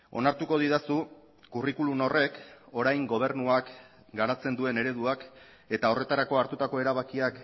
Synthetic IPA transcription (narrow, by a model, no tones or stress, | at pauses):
o̞̰naɾt̪uko̞ð̞iðasu | kurikulumno̞re̞ko̞ɾajŋɡo̞β̞e̞ɾnuak | ɡaɾat͡se̞nd̪ue̞ne̞ɾe̞ð̞uak | e̞t̪ao̞re̞t̪aɾako̞aɾt̪ut̪ako̞e̞ɾaβ̞akiak